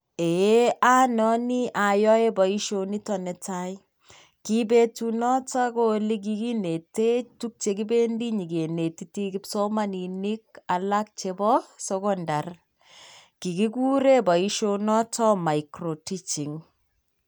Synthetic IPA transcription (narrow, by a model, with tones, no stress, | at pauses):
e˨e˦ʔa˦nɔ˦ni˦ʔa˨jɔ˦e˦bɔ˨i˦ʃo˨ni˦tɔ˨nɛ˨tai | ki˦be˦tunɔ˦ta˦ko˦li˦k̬iki˦ne˨te˦tu˦k̚t͡ʃe˨ki˦be˦ndi˦ɲi˨ɡe˨ne˨titi˦ki˦psoma˦nini˦k̚a˨lak̚t͡ʃebɔsɔkɔndar | ki˨ki˦ku˦ɾe˦bɔ˨iʃo˦nɔ˦tɔ˦ma˨ikɾo˨ti˦t͡ʃi˨ŋ